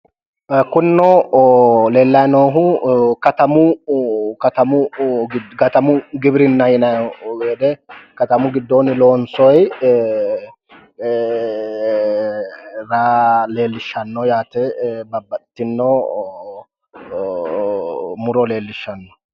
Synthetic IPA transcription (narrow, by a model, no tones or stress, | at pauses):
kʊnːɔ | le̞ːlːɐjnoːɦʊkɐt̪ɐmʊ | kɐt̪ɐmʊɡɪdkɐt̪ɐmʊɡɪbɾɪnːɐjɪnɐɡeːd̪ɛkɐt̪ɐmʊɡɪd̪ːoːnɪloːnsɔj | ɾaːle̞ːlːɪʃːɐnːɔjaːt̪ɛbɐbːɐt̪ːɪnːɔː | mʊɾɔle̞ːlːɪʃːɐnːɔ̥